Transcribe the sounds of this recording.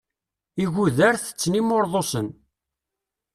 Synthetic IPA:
iʝuðæɾθə̥t͡sːnimoɾðˤosən

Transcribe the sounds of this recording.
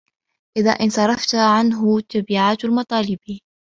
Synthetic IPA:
ʔɪða̰ːʔɪnsˤɑɾˤɑft̪ʕanɦʊt̪abiːʕaːt̪almɑt̪ˤɑːlɪb

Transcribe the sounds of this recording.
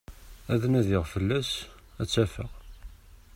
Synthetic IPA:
æðnæðɪʁfəlːæs | æt͡sːæfə̰ʁ

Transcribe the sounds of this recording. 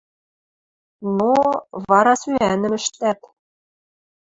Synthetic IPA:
novɑɾɑsyænɘ̆mɘ̆ʃt̪æt̪

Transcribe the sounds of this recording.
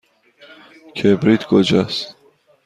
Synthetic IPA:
kʰebɾit̪ɡod͡ʒas

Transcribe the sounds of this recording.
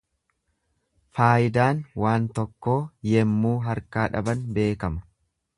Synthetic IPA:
faːjɪd̪aːnwaːnt̪ɔkːo̞ːjɛmːuːɦɐɾkaːᶑɐ̰bɐnbe̞ːkɐmɐ̥

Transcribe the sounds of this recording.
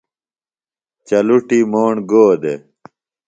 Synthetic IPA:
t͡ɕɐluʈimoːɳɡoːd̪e

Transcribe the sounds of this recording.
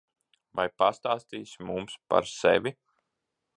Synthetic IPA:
vajpast̪aːst̪iːsmumspa̰ɾsɛ̰vʲi

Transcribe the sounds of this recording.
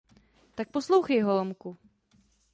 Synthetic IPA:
t̪ak̚poslowxejɦolomku

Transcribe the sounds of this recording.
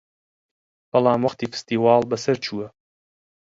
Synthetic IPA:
b̥ɐlɑːmwɐχt̪iːfɨ̥st̪iːwɑːlˠbɐsɐɾt͡ʃʰuːɐ

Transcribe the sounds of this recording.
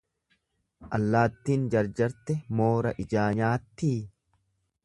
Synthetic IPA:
ʔɐlːaːt̪ːiːnd͡ʒɐɾd͡ʒɐɾt̪ɛmoːɾɐʔɪd͡ʒaːɲaːt̪ːiː

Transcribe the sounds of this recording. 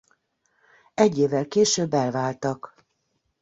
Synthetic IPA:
ɛɟːeːvɛlkeːʃøːbːɛlvaːlt̪ɒk

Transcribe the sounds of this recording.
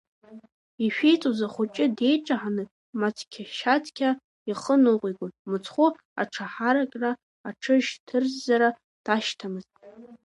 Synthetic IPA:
iʃᶣejt͡sʼozaχʷʊt͡ʃʼɪde̞jʈ͡ʂʼaħanɨ | matʰkʲʰaʃatʰkʲʰa | iχənɨqʷʼiɡʷonmɨt͡sʰχʷu | a̰ʈ͡ʂʰaħaɾakʼra | aʈ͡ʂʰɨʒtʰɨrzːaɾa | d̥aʃtʰamɨzʼ

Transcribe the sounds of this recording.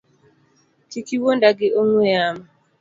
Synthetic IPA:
tikiwondaɡɪoŋwejama

